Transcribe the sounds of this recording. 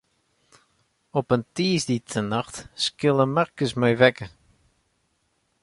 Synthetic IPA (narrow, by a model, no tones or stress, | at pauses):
ɔpəntiːsditʰənɑxtskɪlˠəmɛrkəsmɛjʋɛkə